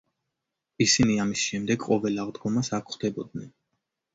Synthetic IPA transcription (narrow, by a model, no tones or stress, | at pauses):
isiniamisʃɛmd̪ɛɡqʼɔvɛlaʁd̪ɡɔmasakʰχd̪ɛbɔd̪̚nɛn